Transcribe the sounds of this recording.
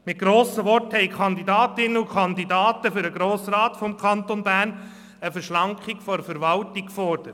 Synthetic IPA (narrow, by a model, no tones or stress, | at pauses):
mɪt̚ɡ̥ɾoːsəʋɔrthɛɪkʰɑnd̪idɑːt̪ɪnəukʰχɑnd̪idɑːt̪əfʏɾəɡɾoːsɾɑːt̪fɔmkʰɑnt̪onbæːɾn | əfəɾʃlɑŋkχikfɔɾfəɾʋɑltikfɔrd̥əɾət